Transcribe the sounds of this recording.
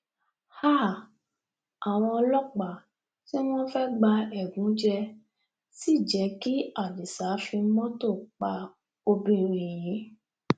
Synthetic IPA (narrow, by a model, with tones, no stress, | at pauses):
ha˦˨ | a˨w̃ɔ̃˧lɔ˦k͡pa˨ | ti˦w̃ɔ̃˦fɛ˦ɡ͡ba˧ɛ˨ɡũ˨˦d͡ʒɛ˧ | si˦˨d͡ʒɛ˨˦ki˦a˦˨li˨sa˨˦fĩ˧mɔ̃˦to˦˨k͡pa˧ | o˧bĩ˧ɾĩ˨j̃ĩ˨˦